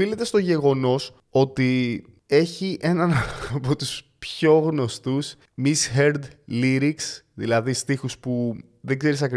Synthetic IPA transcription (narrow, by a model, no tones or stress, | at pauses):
ile̞t̪e̞st̪o̞ʝe̞ɣo̞no̞s | o̞t̪i | e̞çiʔe̞nɐnɐpo̞t̪uspço̞ɣno̞st̪us | misçeɾd̪liɾiksðḭlɐðist̪ixuspu | ðeɡze̞ɾisɐkɾ